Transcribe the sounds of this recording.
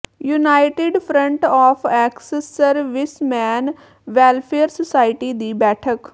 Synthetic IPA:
juːnaːɪʈɪɖpʰɾə̃ɳʈɔːpʰɛːksesːəɾʋɪsmɛ̃ːn | ʋɛːlpʰeəɾsəsaːɪʈiːd̪iːbɛːʈʰək

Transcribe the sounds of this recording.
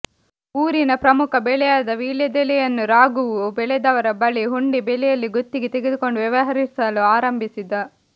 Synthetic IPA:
uːɾinɐpɾɐmukʰɐbɛɭɛjaːd̪ɐʋiːljɐd̪ɛlɛjɐnːuɾaːɡuʋubɛɭɛd̪ɐʋɐɾɐbɐɭiɦuɳɖibɛlɛjɐlːiɡot̪ːiɡet̪eɡed̪uko̞ɳɖuʋjɐʋɐɦɐɾisɐluaːɾɐmbʱisid̪ɐ

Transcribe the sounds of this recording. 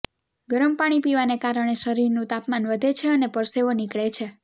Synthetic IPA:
ɡəɾəmpaɽ̃ipiʋanekaɾəɽ̃eʃəɾiɾnũt̪apmanʋəd̪ʱet͡ʃʰeənepəɾseʋonikɭet͡ʃʰe

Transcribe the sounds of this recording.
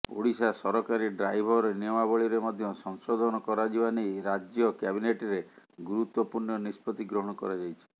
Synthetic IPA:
o̰ɽisasɔɾɔkaɾiɖɾajbʱɔɾniɔmabɔɭiɾemɔd̪ʱjɔsɔŋsɔd̪ʱɔnɔkɔɾad͡ʒibanejɾad͡ʒjɔkabineʈɾeɡuɾut̪wɔpuɾnɔnispɔt̪iɡɾɔɦɔɽ̃ɔkɔ̰ɾad͡ʒajt͡ʃʰi̥

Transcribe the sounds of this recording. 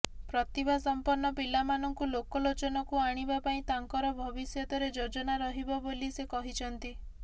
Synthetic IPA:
pɾɔt̪ibʱasɔmpɔɾnːɔpilamanɔŋkulokɔlot͡ʃɔnɔkuaɽ̃ibapaĩt̪aŋkɔɾɔbʱɔbisjɔt̪ɔɾed͡ʒod͡ʒɔnaɾɔɦibɔbolisekɔɦit͡ʃʰɔnt̪i

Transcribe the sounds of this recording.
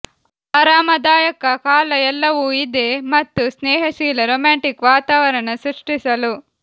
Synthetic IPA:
ɐɾaːmɐd̪aːjɐkɐkaːlɐɛlːɐʋuid̪e̞mɐt̪ːusnɛːɦɐʃiːlɐɾoːmaːɳʈikʋaːt̪aːʋɐɾɐɳɐsɾuʂʈisɐlu

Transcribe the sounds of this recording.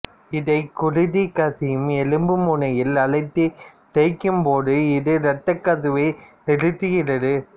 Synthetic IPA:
ɪðɐɪkʊrɪðikɐsɪjɯmɛlɯmbɯmunɐjɪlɐɭɐɪt̪ːɯ | ʈɛɪkːɯmpoːðɯɪðɯɾɐʈːɐkːɐsɯʋɐɪnɪɽɯt̪ːɯɣɪrɐðɯ

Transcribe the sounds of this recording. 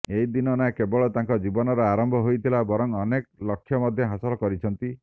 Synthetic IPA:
eid̪inɔnakebɔɭɔt̪aŋkɔd͡ʒibɔnɔɾɔaɾɔmbʱɔɦojt̪ʰilabɔɾɔŋɔneklɔkʰːjɔmɔd̪ʱjɔɦasɔlɔkɔɾit͡ʃʰɔnt̪i

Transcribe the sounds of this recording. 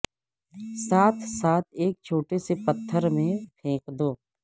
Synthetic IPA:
saːt̪ʰsaːt̪̚ʰeːk̚t͡ʃʰoːʈesepət̪ʰːəɾmẽpʰẽːkd̪oː

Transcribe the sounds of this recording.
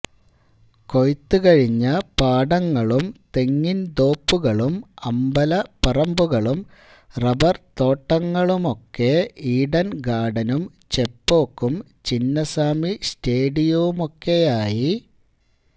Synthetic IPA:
ko̞jt̪ːɨkɐɻiɲːɐpaːɽɐŋːɐɭumt̪e̞ŋːind̪o̞ːpːuɣɐɭumɐmbɐlɐpɐrɐmbuɣɐɭum | rɐbɐrt̪o̞ːʈːɐŋːɐɭumo̞kːeiːɽɐnɡaːɖɐnum | t͡ɕe̞pːo̞ːkːum | t͡ɕinːɐsaːmiste̞ːɖijɐʋumo̞kːe̞jaːji

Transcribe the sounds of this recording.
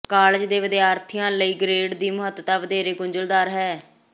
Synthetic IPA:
kaːlɪd͡ʒd̪eːʋəd̪eːaːɾt̪ʰijãːləiːɡɾeːɖd̪iːmʊɦət̪ət̪aːʋəd̪eːɾeːɡʊɲd͡ʒəld̪aːɾɦɛː

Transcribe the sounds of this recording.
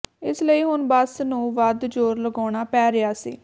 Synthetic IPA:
ɪsləiːɦʊnbəsnũːʋəd̪d͡ʒoːɾləɡɔːɽ̃aːpɛːɾəaːsḭː

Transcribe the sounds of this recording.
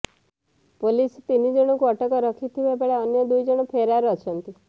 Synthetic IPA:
polist̪inid͡ʒɔɽ̃ɔkuɔʈɔkɔɾɔkʰit̪ʰibabaɭeɔnjɔd̪ujd͡ʒɔɽ̃ɔpʰeɾaɾuɔt͡ʃʰɔnt̪i

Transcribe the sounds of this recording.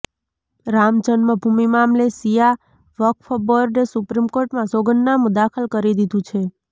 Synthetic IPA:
ɾamd͡ʒənməbʱumimamlesija | ʋəkfəbəɾɖesupɾimkoɾʈmãsoɡənːamũd̪akʰəlkəɾid̪id̪ʱũt͡ʃʰe

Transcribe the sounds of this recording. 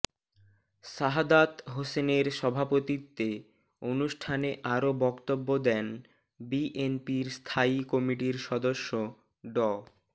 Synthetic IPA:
ʃaɦad̪at̪ɦoseneɾʃɔbʱapot̪it̪ːe | onuʃʈʰaneʔaɾobɔkt̪obːod̪ɛn | biʔenpiɾst̪ʰaikɔmiʈiɾʃɔd̪oʃːo | ɖɔ

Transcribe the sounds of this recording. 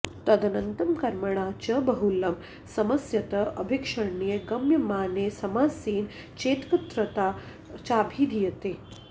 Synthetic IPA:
t̪ɐd̪ɐnɐnt̪ɐmkɐɾmɐɳ̃aːt͡ʃɐbɐɦulɐm | sɐmɐsjɐt̪ɐɐbʱikʂɐɳijɐɡɐmjɐmaːnesɐmaːsiːn | t͡ʃeːt̪kɐt̪ɾɐt̪aː | t͡ʃaːbʱiːd̪ʱijɐt̪eː

